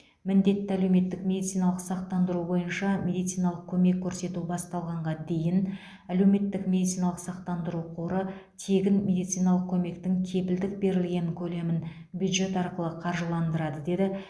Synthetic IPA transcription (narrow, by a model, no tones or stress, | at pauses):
mɪnd̪e̞t̪ːɪæle̞wme̞t̪ːɪkme̞d̪it̪sijnɑlˠəqsɑq̚t̪ɑnd̪əɾubo̞jənʃɑmʲe̞d̪ijt̪sijnɑlˠəq̚kʲʰɵme̞kʲʰːɵɾse̞t̪ubɑst̪ɑlˠʁɑɴʁɑd̪e̞jɪn | æle̞wme̞t̪ːɪkmʲe̞d̪it̪sijnɑlˠəqsɑq̚t̪ɑnd̪əɾuqʰoɾət̪ʰe̞ɡʲɪnme̞d̪ijt̪sijnɑlˠəq̚kʲʰɵme̞kt̪ɪŋkʲʰe̞pɪld̪ɪk̚be̞ɾɪlɡʲe̞ŋkʲʰɵle̞mɪn | bjud̪ʒe̞t̪ɑɾqəlˠəqʰɑɾʒəlˠɑnd̪əɾɑd̪əd̪e̞d̪ɪ